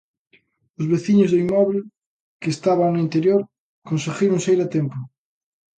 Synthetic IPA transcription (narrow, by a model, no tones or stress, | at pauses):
ʊzβeθiɲʊzðoimɔβl | kest̪aβanoint̪eɾjoɾ | konseɣiɾõŋsejɾat̪empʊ